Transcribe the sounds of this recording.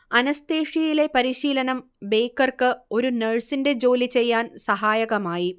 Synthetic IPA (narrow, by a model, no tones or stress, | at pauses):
ɐnɐst̪eːʂjijile̞pɐɾiɕiːlɐnɐm | be̞jkːɐrkɨo̞ɾuneɻsinde̞d͡ʑo̞ːlit͡ɕe̞jːaːnsɐɦaːjɐɣɐmaːji